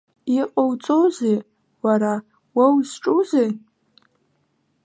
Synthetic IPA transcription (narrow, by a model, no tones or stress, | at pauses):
iqʼowt͡sʼowze | waɾa | wawzʈ͡ʂʼuze